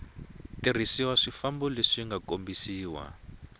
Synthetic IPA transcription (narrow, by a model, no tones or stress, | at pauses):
tir̤isiwaʂifambɔleʂiŋɡakombisiːwa̰